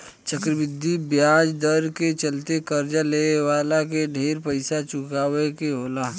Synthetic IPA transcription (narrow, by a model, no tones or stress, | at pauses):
t͡ʃɐkɾəbɪd̪ʱːibjaːd͡ʒd̪əɾket͡ʃɐlt̪ekɐɾd͡ʒaleːʋaːlakeɖʱeːɾpəɪsat͡ʃʊkaːwekeɦoːlaː